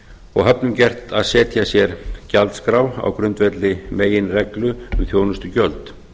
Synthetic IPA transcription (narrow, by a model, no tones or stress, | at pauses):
ɔɣɦœpnʏmcɛr̥t̪aðsɛːt̪ʰjasjɛɾ̥calt̪skɾaːwa̰wkɾʏnt̪vɛt̪lɪmeːjɪnrɛklʏʏθjoːwnʏst̪ʏcœlt̪